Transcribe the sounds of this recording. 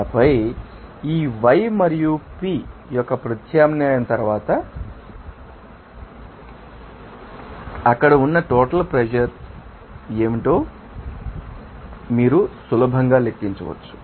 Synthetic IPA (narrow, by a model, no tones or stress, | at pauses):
pɐj | iːʋɐjmɐɾijupiːjɔkːɐpɾɐt̪ʰjaːmnjaːjɐnt̪ɐɾʋaːt̪ɐ | ɐkːɐɽɐunːɐʈoːʈɐlpɾed͡ʒɐɾ | e̞ːmiʈoː | miːɾusulɐbʱɐŋɡaːlekːiɲt͡ʃɐ̰ʋɐ̰t͡ʃːu̥